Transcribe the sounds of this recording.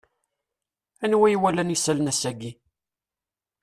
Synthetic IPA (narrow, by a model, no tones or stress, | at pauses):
ænwæjwælænisælnæsæɡi